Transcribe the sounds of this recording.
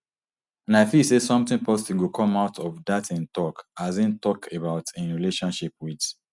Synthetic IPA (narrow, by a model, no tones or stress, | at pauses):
naɪfisesɔ̃mt̪ɪ̃npɔstiɡokʰɔ̃maʊtʰɔvdatʰĩntɔkazĩntɔkʰebaʊtʰɪ̃nɹileʃɔ̃nʃip̚wid